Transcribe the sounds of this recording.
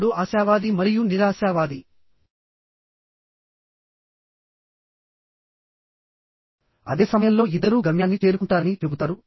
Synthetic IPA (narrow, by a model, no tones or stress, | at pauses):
ɽuaːsjaːʋaːd̪imɐɾijuniɾaːsaːʋaːd̪i | ɐ̰d̪e̞ːsɐmɐjɐmlo̞ːid̪ɐɾuːɡɐmjaːnːit͡ʃe̞ːɾukuɳʈaːɾɐnit͡ʃebut̪aːɾu